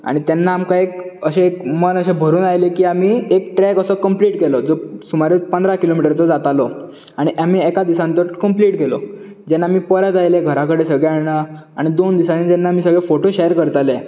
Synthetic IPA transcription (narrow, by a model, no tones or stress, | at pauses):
a̰ɽ̃it̪jɛnːaːmkaekəɕeekmənəɕẽbʱəɾuːnajlekiːamiːekʈɾɛkəsəkəmpliːʈkelɔd͡zosumaɾepənd̪ɾakilomiʈəɾt͡sɔd͡zat̪alɔ | aɽ̃iʔam̤iːɛkad̪isãnt̪əɾkəmpliːʈkelɔ̰ | d͡ʑɛnːamiːpəɾjat̪ajleɡʱəɾakəɽesəɡɭeaɽaa̰ɽ̃id̪ond̪isaned͡ʑɛnːamiːsəɡɭefoʈoɕejəɾkəɾt̪ale